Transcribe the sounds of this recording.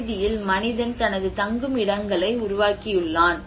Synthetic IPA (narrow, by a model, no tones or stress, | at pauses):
ðɪjɪlmɐnɪðɐnt̪ɐnɐðɯt̪ɐŋɡɯmɪɽɐŋɡɐɭɐɪʊɾʊʋaːkɪjɯɭːaːn